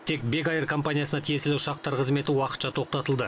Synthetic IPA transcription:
t̪ʰe̞k̚be̞kɑjərkʰo̞mpanʲijasənɑt̪ʰije̞sɪlɪʊʃɑq̚t̪ɑɾqəzme̞t̪ɪwɑqə̥t̪ʃɑt̪ʰo̞qt̪ɑt̪əlˠd̪ə

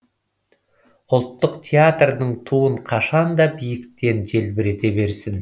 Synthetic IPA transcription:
ʊlˠt̪ːəqt̪ʲʰeat̪rnəɴt̪ʰuəɴqʰɑʃɑnd̪ɑbijɪkt̪e̞nd͡ʒe̞lbɪɾe̞t̪e̞be̞ɾsɪn

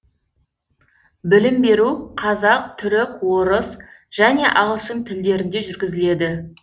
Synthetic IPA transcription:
bɪlɪmbe̞ɾuqʰɑzɑq̚t̪ʰʏɾɪkwo̞ɾəsʒ̥æne̞ʔɑʁəlˠʃəmt̪ʰɪld̪e̞ɾɪnd̪e̞ʒʏɾɡʲɪzɪle̞d̪ɪ

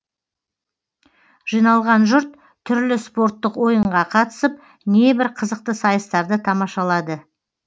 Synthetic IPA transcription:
ʒ̥ijnɑlˠʁɑnʒʊɾt̪ʰː | ʏɾlɪspo̞ɾt̪ːəqwo̞jəɴɴʁɑqʰɑt̪ə̥səp̚ | ne̞bɪɾqʰəzəq̚t̪əsɑjəst̪ɑɾd̪ət̪ʰɑmɑʃɑlˠɑd̪ə

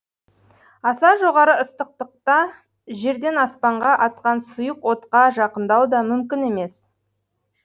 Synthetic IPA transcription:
ɑsɑʒo̞ʁɑɾəəst̪əq̚t̪əq̚t̪ɑ | ʒe̞ɾd̪e̞nɑspɑɴʁɑʔɑt̪̚qɑnsʊjəqwo̞t̪qɑʒɑqənd̪ɑwd̪ɑmʏmkʲɪne̞me̞s

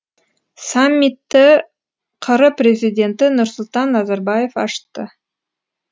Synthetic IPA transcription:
samʲːit̪ːɪ | qʰəɾəprʲe̞zʲijdʲe̞nt̪ɪnʊɾsʊlˠt̪ɑnːɑzɑɾbɑje̞fɑ̰ʃt̪ːə

